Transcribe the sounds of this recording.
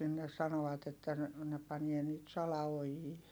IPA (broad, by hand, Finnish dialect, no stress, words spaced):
sinːes sɑnoɑt etːæ ne ne pɑnie nyt sɑlɑojiː